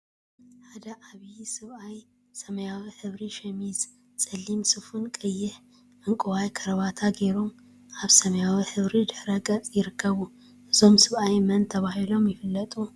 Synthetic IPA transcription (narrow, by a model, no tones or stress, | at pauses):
ħad̪ɐʔaβisɨβʔaj | sɐmɐjawiħɨβɾiʃɐmiz | t͡sʼɐlːimsɨfunkʼɨjːɪħ | ʔɨŋkʼɨwajkʰɐɾɐβat̪ʰaɡe̞ɾom | ʔaβsɐmɐjawiħɨβɾid̪ɨħɾɐɡʼɐt͡sʼjɪɾɨkʰːɐβu | ʔɨzo̞msɨβajmɐnt̪ʰɐβahilo̞mjɪfɨlːɐt̪ʼu